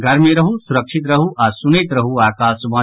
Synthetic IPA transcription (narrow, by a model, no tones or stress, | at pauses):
ɡɐɾmeɾɐɦusuɾɐkʂit̪̬ɾɐɦuʔaːsuneːt̪ɾɐɦuaːkaːsubɐ̃